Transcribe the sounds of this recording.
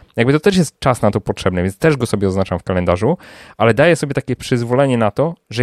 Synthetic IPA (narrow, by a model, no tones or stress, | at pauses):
jaɡbɘt̪ɔt̪ɛʂjɛst̪̚t͡ʂasnat̪ɔpɔtʂɛbnɛvjɛnt̪st̪ɛʐɡɔsɔbʲjɛɔznat͡ʂamfkalɛnd̪aʐuʔalɛd̪ajɛsɔbʲɛt̪akʲɛpʂɘzvɔlɛɲɛnat̪ɔʐɛ